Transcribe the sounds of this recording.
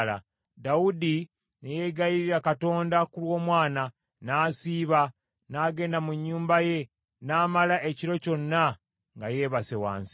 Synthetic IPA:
la̰ | daudi | neje̞ɡajiɾiɾakato̞ːndakulwo̞ːmwaːna | naːsiːβa | naːɡe̞ːndamuɲːuːmbaje̞ | naːmalaʔe̞ciɾo̞co̞nːa | ŋɡaje̞ːβasewa̰ːnsi

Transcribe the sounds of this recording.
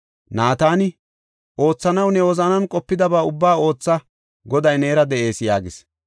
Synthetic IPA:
naːt̪aːnɪ | ʔo̞ːt͡sːɐnɐwnɛwɔzɐnɐnkʼɔpːɪd̪ɐbaːʊbːaːo̞ːt͡sːɐ | ɡɔd̪ɐjne̞ːɾɐd̪ɛʔe̞ːsjaːɡɪs

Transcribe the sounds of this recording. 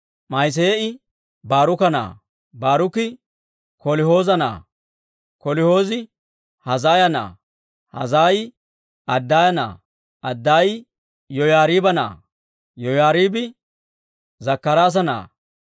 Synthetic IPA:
mɐjs̬eːɪ | baːɾʊkɐna̰ː | baːɾʊkɪ | kɔlɪho̞ːzɐna̰ː | kɔlɪho̞ːzɪ | hɐzaːjɐna̰ː | hɐ̰zaːj | ɐd̪ːaːjɐna̰ː | ɐd̪ːaːj | jɔjaːɾiːbɐna̰ː | jɔjaːɾiːbɪ | zɐkːɐɾaːs̬ɐna̰ː

